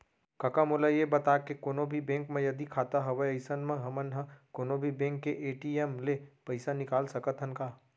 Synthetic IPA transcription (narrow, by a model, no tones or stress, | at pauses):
kɐkamolajebɐt̪aːkekoːnobʱibẽːŋkmẽjɐd̪ikʰaːt̪aɦɐʋəɐɪsənmẽɦɐmənɦɐ̃koːnobʱibẽːŋkːeʔeːʈiːemlepɐɪsanɪkaːlsɐkət̪ɦɐnkaː